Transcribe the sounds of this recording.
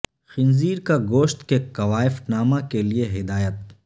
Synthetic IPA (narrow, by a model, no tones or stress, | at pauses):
xɪnziːɾkaɡoːʃt̪kekɐʋaːɪfnaːmakelieɦɪd̪aːjət̪̚